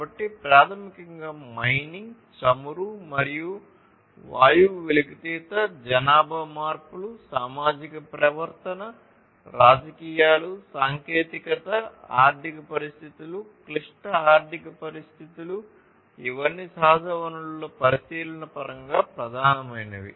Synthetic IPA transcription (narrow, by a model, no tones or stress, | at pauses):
abɐʈːipɾaːt̪ʰɐmikɐŋɡaːmɐjniŋɡ | t͡ʃɐmuɾumɐɾiju | ʋaːjuʋelikit̪iːt̪ɐd͡ʒɐnaːbʱɐmaːɾpulusaːmaːd͡ʒikɐpɾɐʋɐɾt̪ɐnɐ | ɾaːd͡ʒɐkiːjaːlusaːŋkeːt̪ikɐt̪ɐaːɾd̪ʱikɐpɐɾist̪ʰit̪ulukliʂʈɐaːɾd̪ʱikɐpɐɾist̪ʰit̪ulu | iʋɐnːisaːd̪ɐʋɐnulloːpɐɾisiːlɐnɐpɐɾɐŋɡaːpɾɐd̪ʱaːnɐmɐjnɐʋḭ